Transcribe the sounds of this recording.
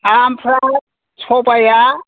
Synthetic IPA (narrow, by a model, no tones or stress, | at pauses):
ampʰra | t͡sʰɔpʼaja